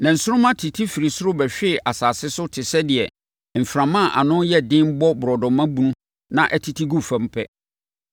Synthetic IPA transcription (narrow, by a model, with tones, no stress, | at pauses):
nã˨n̩˨sʊ˦ʊ̃˦mã˦tʰi˨tʰi˦fi˨ɾi˨sʊ˦ɾʊ˦bɛ˨ɕᶣɪ˦˨ʔa˨saː˨sɪ˦sʊ˦tʰɪ˨sɛ˦dɪ˨ɛ˨ | m̩˨fɾã˨mã˦˨ʔa̰˨nʊ̃˦njɛ˦dɪ̃˦m˦bɔ˦bʊ˨ɾɔ˨dɔ̃˨mã˦bũ˦nũ˦ | nã˨ʔɛ˦tʰi˨tʰi˦ɡu˦fã˦m̩˦pʰɛ˦